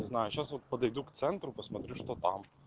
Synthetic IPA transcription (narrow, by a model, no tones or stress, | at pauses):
zʲnɐɪɐʃʲjɛsɐpɐd̪ɐɪd̪ukt̪sʲɛnt̪ɾuːpɐsmɐt̪ʲɾʲɪʃt̪oːt̪ɐm